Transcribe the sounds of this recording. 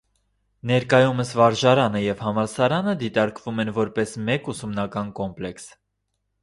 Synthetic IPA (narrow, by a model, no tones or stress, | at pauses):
nɛɾkɑjuməsvɑɾʒɑɾɑnəjɛvhɑmɑsɑɾɑnəd̪it̪ɑɾkvumɛnvɔɾpɛsmɛkusumnɑkɑnkɔmplɛks